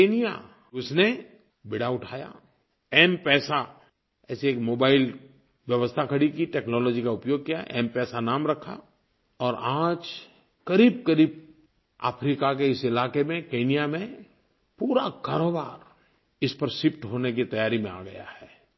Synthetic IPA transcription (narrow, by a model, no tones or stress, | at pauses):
keːnija̰ | ʊsne | bɪɽaʊʈʰaːja̰ | ɛːmpɛːsa | ɛ̰ːseeːkmoːbaːɪl | ʋjɐʋəst̪ʰakʰɐɽikiʈɛːknɔːlɔːd͡ʒikaʊpjoːɡ̚kija̰ɛ̰ːmpɛːsanaːmɾɐkʰa̰ | ɔːɾãːd͡ʒ | kɐɾiːb̚kɐɾiːb̚ | a̰ːpʰɾiːkak̬eɪsɪlaːkemẽkeːnijamẽ | puːɾakaːɾoːbaːɾ | ɪspəɾsɪpʈɦoːnek̬it̪ɐjaːɾimẽa̰ːɡɐ̰ja̰hɛː